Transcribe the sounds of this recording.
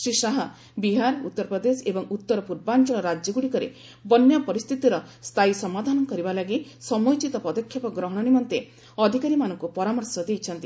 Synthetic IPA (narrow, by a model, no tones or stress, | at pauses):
sɾisaɦa | biɦaɾut̪ːɔɾpɾɔd̪esebɔŋut̪ːɔɾɔpuɾbant͡ʃɔɭɔɾad͡ʒɔɡuɽikɔɾḛ | bɔnjapɔɾist̪ʰit̪iɾɔ | st̪ʰajsɔmad̪ʱanɔkɔɾibalaɡisɔmɔjt͡ʃit̪ɔpɔd̪ɔkʰːjɔpɔɡɾɔɦɔɽ̃ɔnimɔnt̪e | ɔd̪ʱikaɾimanɔŋkupɔɾamɔɾsɔd̪ejt͡ʃʰɔnt̪i